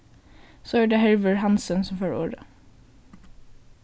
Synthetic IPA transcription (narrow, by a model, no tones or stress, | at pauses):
soːøːɖeːhɛɹʋəɹhɑnsənsɔmføːɹo̰ːɹə